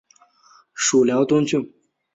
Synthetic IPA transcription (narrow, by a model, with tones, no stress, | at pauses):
ʂu˨˩ljɑ˧˥ʊt̪o˥nt͡ɕʰu˥˩